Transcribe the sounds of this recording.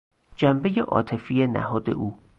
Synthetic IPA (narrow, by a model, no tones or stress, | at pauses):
d͡ʒæmbe̞jeʔɒ̰ːt̪ʰe̞fiːjenæ̰hɒːd̪e̞̰ʔuː